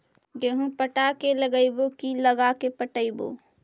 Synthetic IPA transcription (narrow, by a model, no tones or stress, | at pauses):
d͡ʒeɦũpəʈakeləɡəibokiləɡakepəʈəibo̰ː